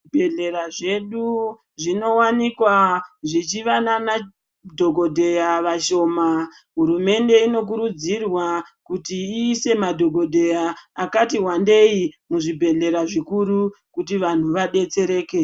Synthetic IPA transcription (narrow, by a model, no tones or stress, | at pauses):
ibʱeɮeɾaʐe̞ɗu | ʐino̞wanikwaʐit͡ʃiʋanana | dʱo̞ɡʱo̞dʱe̞jaʋaʃo̞ːma | ɦuɾume̞nde̞ino̞k̬uɾud͡zirwakutiːse̞madʱo̞ɡʱo̞dʱe̞jaakatiɦwande̞imuʐibʱe̞ɮe̞ɾaʐikuɾukutiʋan̤uʋaɗe̞t͡se̞ɾe̞ːke̞